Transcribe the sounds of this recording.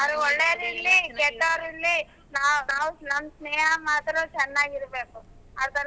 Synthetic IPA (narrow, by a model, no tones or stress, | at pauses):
ɐɾuɔɭːeːɾilːiɡɛʈːɐɾilːi | naːnaːʋusnɐmsneːɦɐmaːt̪ɾot͡ʃɛnːaːɡiɾbeːkuɐt̪ɐɾ